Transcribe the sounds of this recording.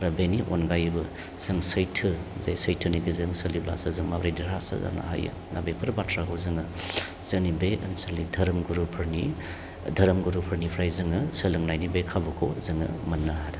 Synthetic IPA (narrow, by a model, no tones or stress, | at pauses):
ɾɐbeniʔonɡajbɯ | sɯŋsɐjtʰɯzajsəjtʰɯniɡɯzɯŋsəlibla̰sazɯŋmabɾajdiɾasa̰za̰na̰ɦa̰jɯ̰ | nabepʰɯɾbatʰɾakʰozɯŋɯ | z̥ɯnibeʔɐnsəɾnidʱɐɾɐmɡuɾupʰɯɾni | dʱɐɾɐmɡuɾupʰɯɾnipʰɾajzɯŋɯsəlɯŋnajnibekʰabɐkʰozɯŋɯ̰mɐnːaɦaɾɐ